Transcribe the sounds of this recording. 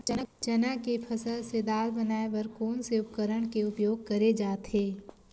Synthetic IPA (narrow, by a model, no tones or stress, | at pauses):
ət͡ʃɐnakepʰɐsəlsed̪aːlbɐnaːeʋɐɾkoːnseʊp̚kəɾəɽ̃keʊpjoːɡ̚kɐɾed͡ʒaːt̪ɦeː